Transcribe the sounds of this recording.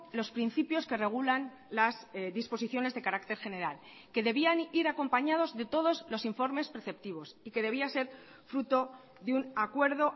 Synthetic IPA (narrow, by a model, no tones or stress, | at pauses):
lo̞spɾin̟θipjo̞ske̞re̞ɣ̞ulan | lazðispo̞siθjo̞ne̞zðe̞kaɾakt̪e̞ɾxe̞ne̞ɾal | ke̞ðe̞βianiɾako̞mpaɲað̞o̞zðe̞t̪o̞ð̞o̞zlo̞siɱfo̞ɾme̞spɾeθe̞p̚t̪iβ̞o̞sike̞ð̞e̞β̞iase̞ɾ | fɾut̪o̞ | ðeunakwe̞ɾðo̞